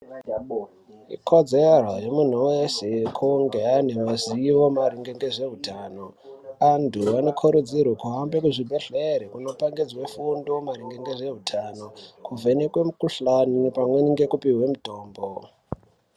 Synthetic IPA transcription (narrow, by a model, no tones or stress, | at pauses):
ḭkʰod͡zerwajomun̤uwesekʰuŋɡeanemaziʋo̞maɾiŋɡeŋɡeʐe̞ɦutano | anduano̞kʰoɾud͡ziɾwokuɦambekuʐibʱeɬeɾekuno̞paŋɡid͡zwefundomaɾiŋɡeŋɡeʐe̞ɦutʰanokuvʱenekwemukuɬanupamweniŋɡe̞kupiɦwe̞muto̞ːmbo